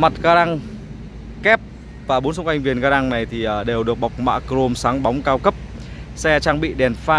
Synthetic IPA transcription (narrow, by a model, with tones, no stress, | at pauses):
ma˨˩t̚ɣaː˧ɗa˧ŋ | kɛ˦˥p̚ | vaː˨˩ɓo˨˦nsə˧ŋ͡mkwa˧jŋ̟vi˨˩ənɣaː˧ɗa˧ŋna˨˩jt̪ʰi˨˩ʔəː˨˩ɗe˨˩wɗɨ˨˩ək̚ɓa˨˩wk͡p̚ma̰ː˧˨kɾo˧msaː˨˦ŋɓa˨˦wŋ͡mkaː˧wkə˦˥p̚ | sɛ˧t͡ɕaː˧ŋɓḭ˧˨ɗɛ˨˩nfaː˧